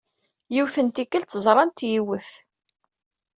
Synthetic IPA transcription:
jiwθənt̪ikːəlt̪ːəzˤɾˤɑnt̪jiwəθ

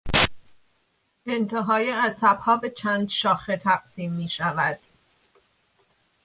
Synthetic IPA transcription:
ʔe̞nt̪ʰeɦɒːjiæzsæb̥hɒːbe̞t͡ʃʰænd̪ʃɒːxet̪ʰæɢ̥siːmːiːʃævæd̪̥

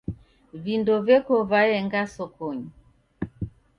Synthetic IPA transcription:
vindɔvɛkɔvaɛŋɡasɔkɔɲi

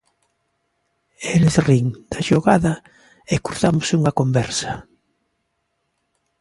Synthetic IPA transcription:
elesriŋd̪̥ɐʃoɣaðɐ | ekuɾθamʊsuŋɐkombɛɾsɐ̥

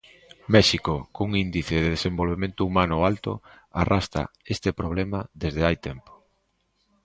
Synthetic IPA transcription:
mɛʃikokuŋind̪iθeðeðesembolβemẽnt̪ʊumanʊalt̪o̰ | arʔast̪a̰est̪ɪpɾoβ̞lɛmɐðezðeajt̪ɛmpo̥

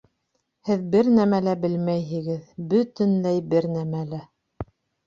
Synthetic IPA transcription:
hɘðbɘɾnæmælæbɘlmæjɦɘ̆ɡɘðbɵ̆t̪ɘ̆nlæjbɘɾnæmælæ

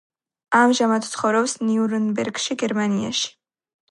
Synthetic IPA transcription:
amʒamad̪t̪sʰχɔvɾɔpsniuɾɛnbɛɾɡʃiɡɛɾmania̰ʃi̥

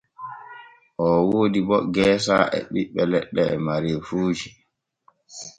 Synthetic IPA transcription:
ʔɔwoːdibɔɡɛːsa̰ʔɛ̰ɓiɓːɛlɛɗːɛmaɾefuːd͡ʒi

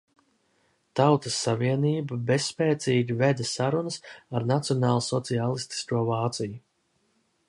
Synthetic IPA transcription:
t̪awt̪asːaviɛniːbabessːpɛːt̪siːɡʲivɛd̪asaɾunəsaɾnat̪sijɔnaːlˠsɔt̪sialˠist̪i̥skuɔvaːt̪siju

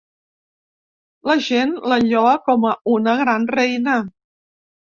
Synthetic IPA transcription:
ləʒenləʎɔəkɔməunəɣɾanrɛjnə

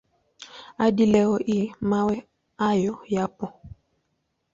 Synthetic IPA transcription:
adilɛɣɔʔimawɛ | ajɔjapɔ

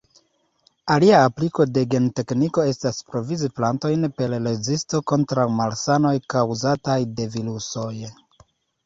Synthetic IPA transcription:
aliaːpliko̞de̞ɡe̞nte̞kniko̞e̞staspɾo̞viziplanto̞jnpe̞lːe̞zisto̞ko̞ntɾawmalsano̞jkawzatajde̞viluso̞j

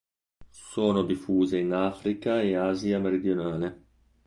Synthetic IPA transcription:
soːnod̪ifuːzeinaːfɾikaeaːziameɾid̪jonaːle

